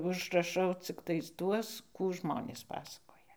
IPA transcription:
ʊʒrɐˈʃɐʊ t͡sʲɪkˈtɐɪs ˈtuɔs ˈkuː ˈʒmoːnʲeːs ˈpɑːsɐkoːjɛ

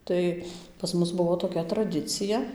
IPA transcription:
ˈtɐɪ pɐs ˈmʊs ˈbʊʋoː toːˈkʲɛ trɐˈdʲɪt͡sʲɪjɛ

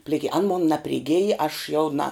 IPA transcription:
pʲlʲɪˈkʲɪ ɐn moːn nɐpʲrʲɪˈɡʲeːj ɐʃ jɛʊ nɐ

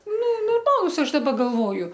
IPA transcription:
nʊ noːrˈmɑːlˠʊs ˈɐʃ dɐˈbɐ ɡɐlˠˈʋoːjʊ

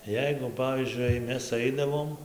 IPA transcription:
ˈjɛɪɡʊ ˈpɑːʋʲiːzʲd͡ʒʲʊɪ jɛɪ ˈmʲɛs ˈɐɪdɐʋoːm

